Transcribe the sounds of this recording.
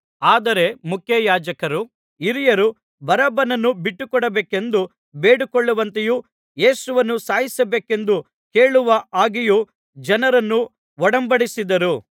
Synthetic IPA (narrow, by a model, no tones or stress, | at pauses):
aːd̪ɐɾe̞mukʰjɐjaːd͡ʒɐkɐɾu | iɾijɐɾu | bɐɾɐbɐnɐnːubiʈːukɔɽɐbeːke̞nd̪u | beːɽukɔɭːuʋɐnt̪eju | je̞ːsuʋɐnːusaːɦjisɐbeːke̞nd̪u | ke̞ːɭuʋɐaːɡiju | d͡ʒɐnɐɾɐnːu | ʋɔɽɐmbɐɽisid̪ɐɾu